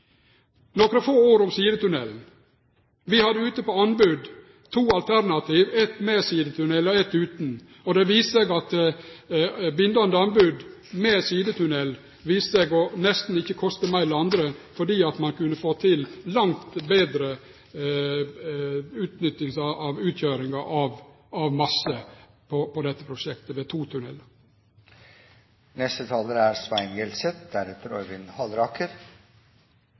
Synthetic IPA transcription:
nɔkɾəfoːoːɾʊmsiːd̪ət̪ʉnɛln̩ | ʋɪhɑd̪ːəʉːt̪əpɔɑnbʉd̪ | t̪ʰuːɑlt̪ʰæɾnɑt̪ʰiːʋɛt̪mesiːd̪ət̪ʉnɛlːɔɛt̪ːʉːt̪n̩ | ɔd̪ɛʋiːst̪seɡɑt̪ | bʏnd̪ɑnd̪əɑnbʉd̪mesiːd̪ət̪ʰʉnɛl | ʋiːst̪seɡɔnɛst̪n̩ɪçːəkʰɔst̪əmæɪlɑnd̪ɾəfɔɖiːɑt̪mɑnkʉnəfoːt̪ʰɪllɑŋt̪beːd̪ɾə | ʉːt̪nʏt̪ːɪŋsɑɑʋʉːt̪ʰjøːɾɪŋɑʔɑʋ | ɑʋmɑsːə | pʰɔpɔd̪ɛt̪ːəpʰɾʊʃɛkt̪əʋet̪ʰuːt̪ʰʉnɛlə | nɛst̪ət̪ʰɑːləɾæɾsʋæɪnɡɛlsɛt̪̚d̪æɾɛt̪əɾɔ̰ʏʋɪnhɑlɾɑːkʰəɾ

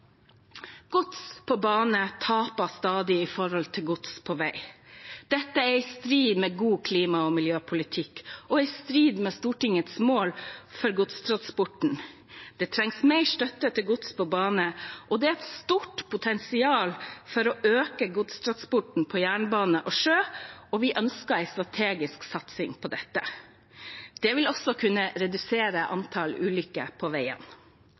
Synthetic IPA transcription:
ɡ̥ʊt̪spʰɔbɑːnət̪ʰɑːpɑst̪ɑːd̪ɪɪfɔɾhɔlt̪ʰɪlɡʊt̪spʰɔʋæɪd̪̥ɛt̪ːəæɪst̪ɾiːd̪mɛɡuːkʰliːmɑɔmɪljøːpʰʊlɪt̪ʰɪkːɔɛɪst̪ɾiːd̪mɛst̪uːʈɪŋːət̪smoːlfɔɾɡʊt̪st̪ʰɾɑnspʊʈɳ̩ | d̪̥ɛt̪ʰɾɛŋsmɛɪʂt̪œt̪ːət̪ʰɪlɡʊt̪spʰɔbɑːnəʔɔd̪ɛɛt̪st̪uːʈpʰʊt̪ʰɛnsɪɑːlfɔɾɔøːkəɡʊt̪st̪ʰɾɑnspʊʈɳ̩pʰɔjæːɳəbɑːnəʔɔʂøːɔʋɪʔœnskəæɪst̪ɾɑt̪ʰeːɡɪsksɑt̪sɪŋpʰɔd̪ɛt̪ːə̰ | d̪̥ɛʋɪlɔsɔkʰʉnːəɾɛd̪ʉseːɾəʔɑ̰nt̪ʰɑlʉ̰ːlʏkːə̰pʰɔʋæɪə̰n

